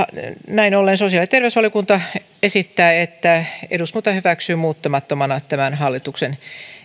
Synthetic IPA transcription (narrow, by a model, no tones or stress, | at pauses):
næinolːensosiɑlit̪erʋeysʋɑlijokunt̪ɑ | esit̪ːæːet̪ːæḛdust̪mut̪ɑhyʋæksyːmuːt̪ːɑmɑt̪ːomɑnɑt̪æmænhɑlːit̪uksen